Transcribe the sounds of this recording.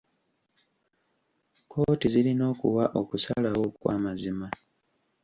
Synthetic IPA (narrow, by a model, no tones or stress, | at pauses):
kʰo̞ːtizilino̞ːkuwaʔo̞kusalawo̞kwa̰ːmazima